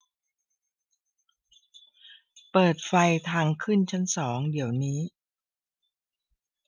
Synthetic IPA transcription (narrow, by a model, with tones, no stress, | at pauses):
pɤː˨˩t̪̚fa˧jt̪ʰaː˧ŋkʰɯ˥˩nt͡ɕʰa˦˥nsɔː˩˦ŋdi˩˦əwniː˦˥